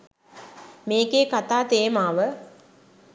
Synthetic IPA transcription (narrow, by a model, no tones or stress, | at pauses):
meːɡeːkat̪aːt̪eːmaːʋə